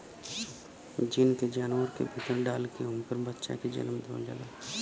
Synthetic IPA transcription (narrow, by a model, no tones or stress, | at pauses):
d͡ʒinked͡ʒaːnʋəɾkḛbʱit̪əɾɖaːlkeɦʊmpəɾbətːʃa̰ked͡ʒə̰nmd̪ʱo̰ːld͡ʒa̰ːla